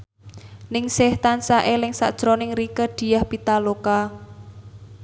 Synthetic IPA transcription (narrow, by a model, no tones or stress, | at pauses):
nɪŋsɪht̪ansaʔelɪŋsa̰ʔd̥ʒ̥ɾonɪŋrikəɖ̥i̤jahpit̪aloka